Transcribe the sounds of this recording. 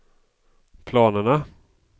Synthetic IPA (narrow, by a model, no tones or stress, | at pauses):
pʰlɑːnəɳa